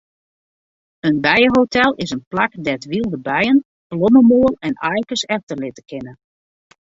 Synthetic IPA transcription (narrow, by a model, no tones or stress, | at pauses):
ənbɛjəɦowtʰɛlˠɪsənplakdɛtʋilˠdəbɛjən | ploməmoəlɛnajkəsɛxtərlɪtəkɪnə